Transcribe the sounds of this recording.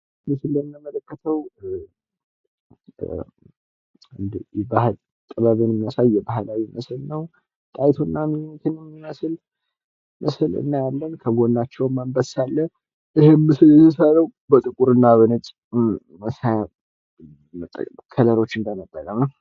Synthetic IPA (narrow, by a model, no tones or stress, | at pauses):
mɨsɨlːɛmːəmələkːət̪ʰəw | ɨnd̪bahl | t̪ʼəβaβinmijasawjːɛbahlawiməslnəw | t̪ʼajt̪ʰonːamiɲːt̪ʰɨnɛmːiməsl | mʔəslɨ̰nːajalːənkʰəɡo̞ndat͡ʃːɛwmambəsalːə | ʔihemːɨsɨljɛsəsəɾəwbət̪ʼɨkʼuɾɨnːaβɨnət͡ʃʼ | məsaja | mət̪ʼːə̰kʼkʰələɾo̞t͡ʃːɨnd̪əmət̪ʼːəkʼəmə